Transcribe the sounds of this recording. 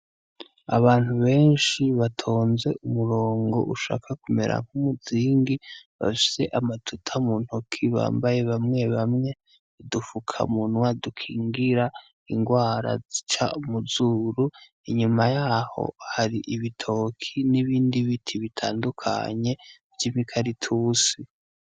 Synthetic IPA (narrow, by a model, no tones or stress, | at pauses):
a̰βaːn̥huβe̞ːnʃiβatʰo̞ːnze̞ʔumuɾo̞ːŋɡo̞̰ʔuʃa̰ːkʰakume̞̰ɾa̰ŋ̥humuziːŋɡiβa̰fi̥se̞ʔamatʰutʰamuːn̥hokʰiβa̰ːmbaje̞βamŋe̞βamŋe̞ | dufukʰa̰munwadukʰiːŋɡiɾa | iŋɡwaːɾa̰zit͡ʃaumuzuɾu | iɲumajaho̞̰haɾiʔiβitʰo̞ːkʰiniβiːndiβitʰiβitʰaːndukʰa̰ɲe̞vjiβikʰaɾitʰuːsi